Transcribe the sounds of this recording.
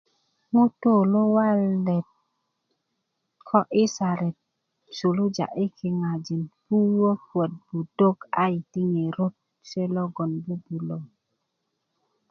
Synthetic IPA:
ŋu˦to˦˨lo˦wa˦lːɛ˨t̚ | kʰɔ˦ʔi˦sa˨ɾɛ˨t̚ | su˨lu˦d͡ʒa̰˨ʔi˦kʰi˨ŋa˨d͡ʒi˨nbu˦wə˦pwə˨t̚bu˨do˦ka̰˦i˨ti˦ŋe˨ɾo˦t̚ | se˦lɔ˦ɡɔ˨nbu˦bu˨lo˨

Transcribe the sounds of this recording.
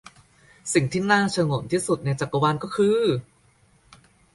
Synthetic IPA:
si˨˩ŋt̪ʰiː˥˩naː˥˩t͡ɕʰa˧ŋo˨˩˦nt̪ʰiː˥˩su˨˩t̪̚na˧jt͡ɕa˨˩kːa˧waː˧nkɔː˥˩kʰɯː˧

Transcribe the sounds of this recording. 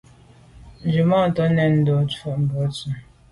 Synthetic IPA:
n̩˨d͡ʒu˨mɔ˦˨tɔ˦nɛ˨n̩˨dɔ˨tɔ˦˨m̩˨bɔ˨˦tu˨

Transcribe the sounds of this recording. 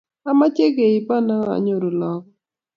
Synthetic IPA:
a˦ma˦t͡ʃe˦ɡe˨i˨pa˦na˦ŋa̰˨ɲo˨ɾo˨lɔ˨k

